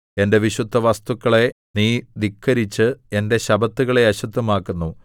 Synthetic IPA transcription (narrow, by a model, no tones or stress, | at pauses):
e̞nde̞ʋiɕud̪ʱːɐʋɐst̪ukːɐɭe̞niːd̪ikʰːɐɾit͡ɕːɨe̞nde̞ɕɐbɐt̪ːuɣɐɭe̞ɐɕɐt̪ːumaːkːunːu